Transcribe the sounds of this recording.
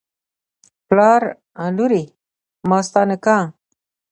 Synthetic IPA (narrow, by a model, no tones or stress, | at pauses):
plɑɾ | ãluɾi | mɑst̪ɑnɪka